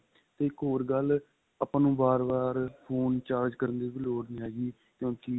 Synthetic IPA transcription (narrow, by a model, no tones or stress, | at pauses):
t̪eːɪkɦoːɾɡəl | əpãːnũːbaːɾbaːɾpʰoːnt͡ʃaːɾd͡ʒkəɾənd̪eːʋiːloːɽnĩaːɡiː | kjõːkɪ